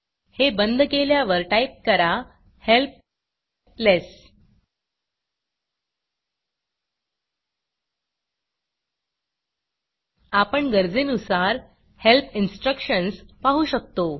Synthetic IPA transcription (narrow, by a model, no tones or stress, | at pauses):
hebənd̪ʱkeljaʋəɾʈaip̚kəɾa | help̚ | les | apəɳɡəɾd͡zenusaɾ | helpʰinsʈɾəkɕənspaɦuɕək̚t̪o